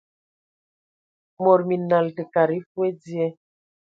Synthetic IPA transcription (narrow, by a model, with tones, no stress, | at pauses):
mɔ˨ɾmi˨na˨ltə˨ka˨ɾi˦fwe˦d͡zi˦ɛ˦